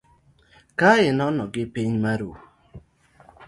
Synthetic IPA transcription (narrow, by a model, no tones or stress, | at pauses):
kaɪnɔnɔɡɪpiɲmaɾu